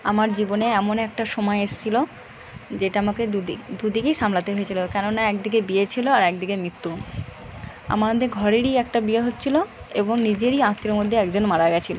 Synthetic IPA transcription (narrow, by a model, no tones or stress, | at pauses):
amaɾd͡ʑiboneɛmonɛk̚ʈaʃɔmɔeeʃt͡ɕʰilo | d͡ʑeʈaamakeuid̪ud̪ikejʃamlat̪eɦoet͡ɕʰilokɛnonaɛkd̪ikebiet͡ɕʰiloaɾɛkd̪ikemɾit̪ːu | a̰mad̪ʱeɡʱɔɾeɾiɛk̚ʈabieɦotːɕʰiloḛboŋnid͡ʑeɾiãt̪ːeɾmod̪ʱːeɛkd͡ʑonmaɽaeɡɛt͡ɕʰilo